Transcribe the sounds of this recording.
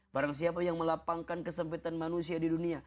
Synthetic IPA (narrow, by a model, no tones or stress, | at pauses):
baɾaŋsiapajaŋməlapaŋkankəsəmpit̪anmanusiadidunia